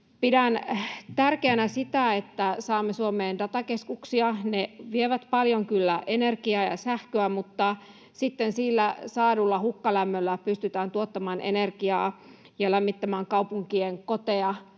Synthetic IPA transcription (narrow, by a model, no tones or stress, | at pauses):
pidænt̪ærkeænæsit̪æet̪ːæsɑːmːesuomeːndɑt̪ɑkeskuksiɑneʋieʋæt̪pɑljoŋkylːæʔenerkiɑːjɑ̰sæhkøæmut̪ːɑ | sit̪ːensiːlːæsɑːdulːɑhukːɑlæmːølːæpyst̪yt̪æːnt̪uot̪ːɑmɑːnʔḛnerkiɑ̰ː | jɑlæmːit̪ːæmæːŋkɑwpuŋkieŋkot̪eɑ